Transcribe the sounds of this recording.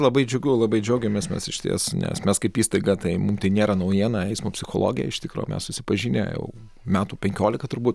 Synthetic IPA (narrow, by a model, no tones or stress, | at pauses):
lˠɐbɐɪd͡ʒʲɛʊɡʲuʊlˠɐbɐɪd͡ʒʲɛʊɡʲɛmʲesmʲɛːsɪʃt̪ʲḭɛsnʲɛ̰smʲɛskɐɪpiːst̪ɐɪɡɐt̪ɐɪmʊmt̪ɐɪnʲeːɾɐnɐʊjiɛnɐɛɪsmopʲsʲɪxolˠo̰ːɡʲɪjɛ̰ɪʃt̪ʲɪkɾo̰ːmʲɛ̰ssʊsʲɪpɐʒʲiːnʲḛjɛ̰ʊ | mʲæːt̪uːpʲɛŋʲkʲoːlʲɪkɐt̪ʊɾbuːt̪